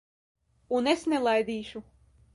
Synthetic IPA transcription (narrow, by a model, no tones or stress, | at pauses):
unesnɛlˠajd̪iːʃu